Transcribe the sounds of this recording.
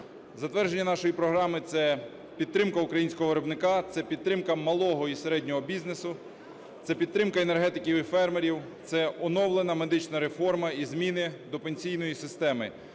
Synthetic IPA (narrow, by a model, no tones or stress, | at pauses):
zɐt̪ʋɛrd͡ʒe̞nʲːɐnɑʃɔjipɾɔɦɾɑmɪt̪sɛ | pʲid̪ɾɪmkɐʊkɾɐjinʲsʲkɔɦɔʋeɾɔbnɪkɑt̪sɛpʲid̪t̪ɾɪmkɐmɐlˠɔɦɔiseɾɛdʲnʲɔɦɔbʲiznesʊ | t̪sɛpʲid̪ɾɪmkɐenerɦɛt̪ɪkʲiwifɛrmeɾʲiwt̪sɛɔnɔwlˠenɐme̞d̪ɪt͡ʃnɐɾefɔrmɐizmʲinɪd̪ɔpenʲsʲijnɔjisɪst̪ɛmɪ